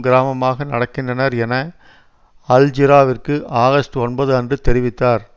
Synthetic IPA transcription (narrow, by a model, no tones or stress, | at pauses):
ɡɪɾaːmɐmaːɣɐnɐɽɐkːɪndrɐnɐɾɛnɐ | ɐld͡ʒɪɾaːʋɪrkɯʔaːɣɐst̪ɯɔnbɐðɯɐndrɯt̪ɛɾɪʋɪt̪ːaːɾ